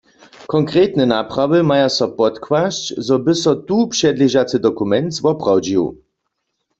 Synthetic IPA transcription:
kɔŋkʁet̪nɛnapʁavɨmajasɔpɔt̪kwaʃt͡ɕzɔbɘsɔt̪upʂɛd̪lʲiʒat͡sɨd̪ɔkumɛnt̪zvɔpʁawd͡ʑiw

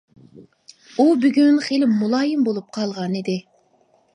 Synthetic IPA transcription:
ubyɡʲynχelɪmːulˠɑːjɪmbolˠup̚qʰɑlˠʁɑnid̪ɪ

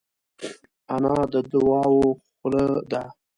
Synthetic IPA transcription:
anɑd̪əd̪ʊwɑwoxləd̪a

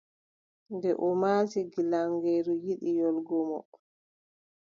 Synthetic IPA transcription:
ndɛʔɔmaːsiɡilaŋɡɛːɾujiɗijɔlɡɔmɔ̰

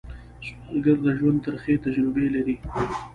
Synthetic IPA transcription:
smalɡaɾd̪əʒwand̪̚t̪əɾxet̪ad͡ʒɾɪbelaɾi

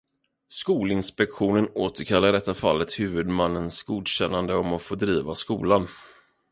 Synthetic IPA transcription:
skuːlɪnspɛkɧuːnənoːt̪əɾkʰalːaɖɛt̪ːafa̰lːət̪hʉ̟ːvɵd̪manːənsɡuːd̪ɕɛnːand̪əɔmɔfoːd̪ɾiːvaskuːlan

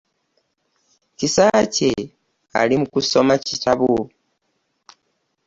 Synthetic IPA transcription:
cisace | a̰limukuso̞macitʰaβo

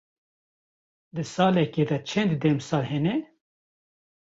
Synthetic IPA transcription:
d̪ɨsɑːlɛked̪ɐt͡ʃʰɛnd̪d̪ɛmsɑːlhɛnɛ

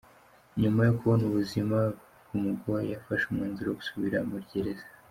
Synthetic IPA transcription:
ɲumajokʰuβonuβuzima | ɡumuɡojafaʃumŋeːnziɾooɡu̥suβiɾamuɾɟeɾezḁ

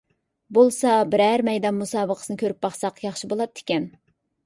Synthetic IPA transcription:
bolˠsɑbɪɾæɾmɛjd̪ɑnmusɑːbəqʰə̥sɨnɨkʲʰøɾyp̚bɑχsɑqjɑχʃibolˠɑd̪d̪ɪ̥kʲɛn

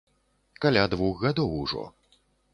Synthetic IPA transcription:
kalʲad̪vuxɣad̪ɔwuʐɔ̰

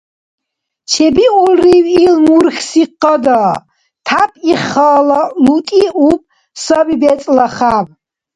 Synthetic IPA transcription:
t͡ʃʰɛbiʔulriwilmurxsiqʼːɐd̪ɐ | t̪ʰapʼiχɐlɐlut̪ʼiʔup̚ʼ | sɐbibɛt͡sʼlɐχab

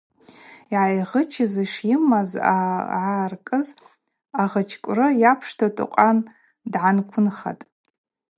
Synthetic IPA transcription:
iʕajʁət͡ʃʰɪziʂiɪmaza̰ʕarkʼɨz | aʁət͡ʃʰkʷʼrɨjapʰʂtʰatʼʊ̰qʷʼan | dʕankʷʰʊnχa̰tʼ

